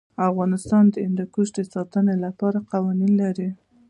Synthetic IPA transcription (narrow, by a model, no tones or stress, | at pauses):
afɣɑnɪst̪ɑnd̪əɪnd̪akuʃd̪əsɑt̪ənelapɑɾaqawɑninlaɾi